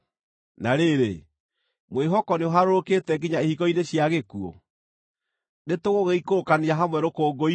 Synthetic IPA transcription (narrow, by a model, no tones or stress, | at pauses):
naɾeɾe | mweɦɔkɔneoɦaɾooketɛɡiɲaehikɔineɕjaɣekuɔ̰ | netoɣoɣeikookaneaɦamwɛɾokoːɡoi